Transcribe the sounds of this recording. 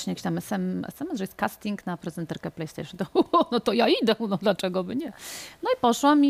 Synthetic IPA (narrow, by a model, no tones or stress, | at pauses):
ɕɲɛjkʲe̥iɕt̪amɛsɛmɛ̰sɛmɛsʐɛjɛst̪̚kast̪ʲiŋknapɾɛzɛnt̪ɛɾkɛplɛjst̪ɛ̰jʂɨnt̪ɔnɔt̪ɔjaid̪ɛnɔd̪lat͡ʂɛɡɔbɘɲɛnɔipɔʂwamʲi